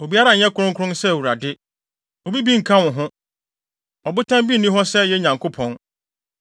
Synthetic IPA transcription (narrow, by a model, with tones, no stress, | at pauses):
o˨bi˦a˦ɾa˨ɲɛ̃˦kʰʊ˦ɾʊ̃˦ŋkʰʊ˦ʊ̃˦nsɛ˦˨wu˨ɾa˨dɪ˦ | ɔ˨bi˦bi˦ŋ̩˨kʰã˦wʊ̃˨ɦʊ̃˦ | ɔ˨bʊ˦tʰã˦mbi˦˨nːĩ˦ɦɔ˦sɛ˦jɛ˦ɲã˨ŋkʰo˦pʰɔ̃˦n